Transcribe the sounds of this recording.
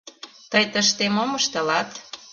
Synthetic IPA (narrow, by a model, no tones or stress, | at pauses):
t̪əjt̪əʃt̪emoməʃt̪ə̆lɑt̪